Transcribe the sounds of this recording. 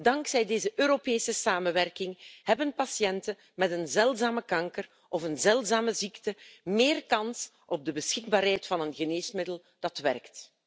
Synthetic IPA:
dɑŋksɛjdeːzəʔøːɾopeːsəsaːmənʋɛrkɪŋhɛbənpɑsjɛntə | mɛtənzɛlˠtzaːməkɑŋkər | ʔɔfənzɛlˠtzaːməziktəmeːrkɑns | ʔɔb̚dəbəsxɪɡ̚baːrɦɛjtfɑnənɣəneːsmɪdəlˠ | d̥ɑtʋɛrkt

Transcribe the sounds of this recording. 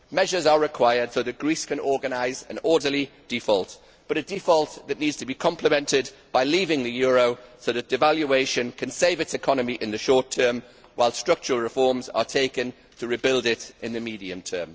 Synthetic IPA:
mɛʒəzəɹɪkʰw̥aɪəd̥soʊðət̚ɡ̥ɹiˑskʰə̃nɔːɡənaɪzə̰̃nɔːdəlid̥ɪfɔlˠt | b̥ʌɾədifɔlˠʔðəʔⁿniːdz̥tʰəbikʰɒ̃mpʰləmɛ̃ntɪdb̥aɪliːvɪ̃ŋðəjɔːɹoʊsoʊðəʔd̥ɪvaljueɪʃə̃nkʰə̃nseɪvɪtsɪkʰɒnəmiʔɪ̃nðəʃɔˑtʰɜːm | waɪlˠstɹ̥ʌk̚t͡ʃəɹəlˠɹɪfɔːmzə̰tʰeɪkə̃n | tʰəɹɪbɪlˠdɪtɪ̃nðəmiːdiə̃mtʰɜ̰ːm

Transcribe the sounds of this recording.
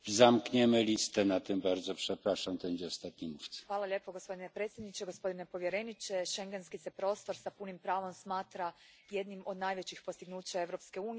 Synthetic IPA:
zamkɲɛmɘlʲist̪ɛnat̪ɛmbaɾd̪zɔpʂɛpɾaʂamt̪ɔɛɲd͡ʑɛɔst̪at̪ɲimuft̪sḁxʋaːlˠalʎʲe̞ːpoɡospo̞d̪inepɾet̪sʲjed̪nit͡ɕeɡospo̞d̪inepo̞ʋje̞ɾenit͡ʃɛʃeŋɡenskisepɾo̞ːst̪o̞ɾsapunimpɾaːʋomsmaːt̪ɾajed̪nimo̞d̪naːjʋet͡ɕixpo̞st̪iɡnuːt͡ɕae̞ʋɾo̞pskeuːni

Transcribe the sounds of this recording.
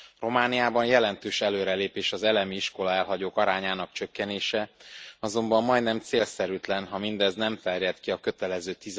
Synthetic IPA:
ro̞maːnijaːbɒnjɛlɛnt̪øːʃɛløːɾɛleːpeːʃɒzɛlɛmiiʃko̞lɒɛlɦɒɟoːkɒɾaːɲaːnɒkt͡ʃø̞kːɛneːʃɛɒzo̞mbɒmːɒjd̪nɛmt̪seːlsɛɾyt̪lɛnɦɒmind̪ɛznɛmt̪ɛrjɛt̪kiɒkø̞t̪ɛlɛzøːt̪iz

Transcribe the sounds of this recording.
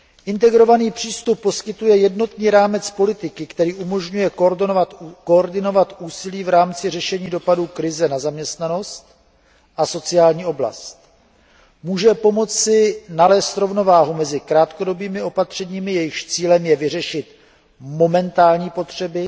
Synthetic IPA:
ʔɪnt̪ɛɡɾo̞vaniːpr̝̥iːst̪upːo̞skɪt̪ujɛjɛdno̞t̪niːɾaːmɛt͡spo̞lɪt̪ɪkɪkt̪ɛɾiːʔumo̞ʒɲujɛkakoɾdɪno̞vat̪ʔuːsɪliːvɾaːmt͡sɪr̝ɛʃɛɲiːdo̞paduːkɾɪzɛnazamɲɛst̪nano̞st̪ | ʔaso̞t͡sɪaːlɲiːo̞bla̰st̪̚ | muːʒɛpo̞mo̞t͡sːɪnalɛːst̪ɾo̞vno̞vaːɦumɛzɪkɾaːt̪ko̞do̞biːmɪʔo̞pat̪r̝̥ɛɲiːmɪjɛjɪʃt͡siːlɛmjɛvɪr̝ɛʃɪt̪ | mo̞mɛnt̪aːlɲiːpo̞t̪r̝̥ɛbɪ

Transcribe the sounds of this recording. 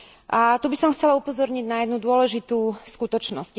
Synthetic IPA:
ʔat̪ubisɔmxt͡sɛlaupɔzɔɾɲiɟnajɛd̪nud̪ʊɔlɛʒit̪uskut̪ɔt͡ʃnɔsc

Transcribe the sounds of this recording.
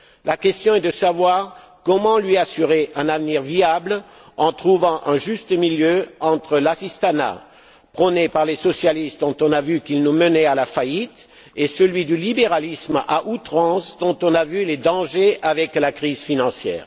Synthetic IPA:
lʔakʲɛst̪jɔ̃ɛd̪əsavwaːʁ | kɔmɑ̃lɥiasyʁeʔɛ̃navniʁviabl | ɑ̃t̪χuvɑ̃ʔɛ̃ʒyst̪əmiljøɑ̃t̪χəlasist̪ana̰ | pχɔnepaʁlesɔsjalist̪̚d̪ɔ̃t̪ɔ̃navykilnumənɛalafajit̪ | esəlɥid̪ylibeʁalisma̰ʔut̪χɑ̃sd̪ɔ̃t̪ɔ̃navyled̪ɑ̃ʒeavɛklakχizfinɑ̃sjɛ̰ːʁ

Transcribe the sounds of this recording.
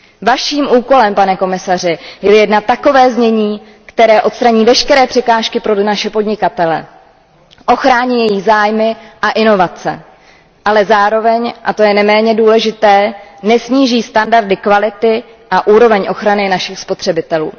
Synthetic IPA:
vaʃiːmʔuːko̞lɛmpanɛko̞mɪsarɪjɛjɛdnat̪ako̞vɛːzɲɛɲiː | kt̪ɛɾɛːʔo̞t̪st̪ɾaɲiːvɛʃkɛɾɛːpr̝̥ɛkaːʃkɪpɾonaʃɛpo̞dɲɪkat̪ɛlɛ̰ | ʔo̞xɾaːɲiːjɛjiɣzaːjmɪʔaʔɪno̞vat͡sɛ̰ | ʔalɛzaːɾo̞vɛɲʔat̪o̞jɛnɛmɛːɲɛduːlɛʒɪt̪ɛːnɛsɲiːʒiːst̪andaɾdɪkvalɪt̪ɪ | ʔaʔuːɾo̞vɛɲʔo̞xɾanɪnaʃɪxspo̞t̪r̥ɛbɪt̪ɛlṵː

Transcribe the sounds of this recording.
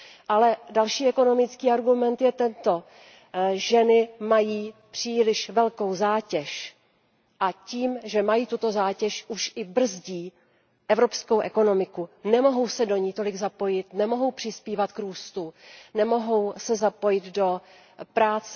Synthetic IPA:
ʔalɛdalʃiːɛko̞no̞mɪt͡skiːaɾɡumɛnt̪jɛt̪ɛnt̪o̞ | ʒɛnɪmajiːpr̝̥iːlɪʃvɛlko̞wzaːcɛʃ | ʔaciːmʒɛmajiːt̪ut̪o̞zaːcɛʃuʃʔɪbr̩zɟiː | ʔɛvɾo̞pskowʔɛko̞no̞mɪkunɛmo̞ɦo̞wsɛdo̞ɲiːt̪o̞lɪɡzapo̞jɪt̪nɛmo̞ɦo̞wpr̝̥ɪspiːvat̪kɾuːst̪unɛmo̞ɦo̞wsɛzapo̞jɪt̪do̞ | pɾaːt͡sɛ

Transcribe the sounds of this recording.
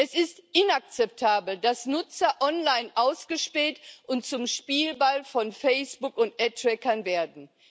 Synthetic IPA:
ʔɛsɪstʔɪnak̚t͡sɛp̚tʰaːbl̩dasnʊt͡sɐʔɔnlaɪnʔaʊsɡ̥əʃpɛːtʔʊnt̚t͡sʊmʃpiːlbalfɔnfɛɪsb̥ʊkʊntʔɛtɹɛkɐnveːɐdn̩

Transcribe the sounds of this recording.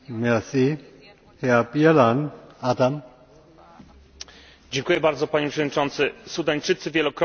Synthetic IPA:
mɛsi | heapjalanat̪am | d͡ʑeŋkujɛbaɾd̪zɔpaɲɛpʂɛvɔd̪ɲit͡ʂɔnt̪sɘsud̪aɲt͡ʂɘt̪sɘvʲjɛlɔkɾ

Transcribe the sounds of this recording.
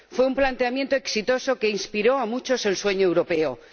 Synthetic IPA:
fwe̞umplant̪e̞amjent̪o̞eksit̪o̞so̞ke̞inspiɾo̞amut͡ʃo̞se̞lsweɲoe̞wɾo̞pe̞o

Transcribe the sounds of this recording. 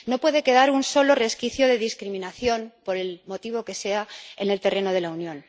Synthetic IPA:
no̞pwe̞ðe̞ke̞ðaɾunso̞lo̞re̞skiθjo̞ðe̞ðiskɾimĩnaθjo̞npo̞ɾe̞lmo̞t̪iβ̞o̞ke̞se̞ae̞ne̞lt̪e̞re̞no̞ðe̞launjõ̞n

